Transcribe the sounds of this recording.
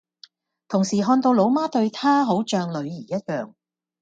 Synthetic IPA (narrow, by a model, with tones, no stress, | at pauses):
t̪ʰʊ˨˩ŋsiː˨˩ɦɔː˧nt̪o˧wlo˨˥wmaː˥t̪ɵ˧ɥt̪ʰaː˥ɦo˨˥wt͡ʃœː˧ŋlɵ˨˧ɥjiː˨˩jɐ˥t̚jœː˨ŋ